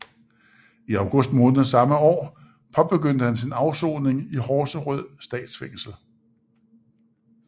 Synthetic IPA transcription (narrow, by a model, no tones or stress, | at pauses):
iɑ̈ʊɡ̥ɔ̽sd̥mɔ̽ːnð̩ˠsɑ̈məɒ̰ː | pʰɒ̽b̥e̝ɡ̥øn̰d̥əhænsinɑ̈ʊso̝̰ːne̝ŋihɒːsəʁœð̰ˠsd̥ɛ̰ːd̥sfeŋ̰sl̩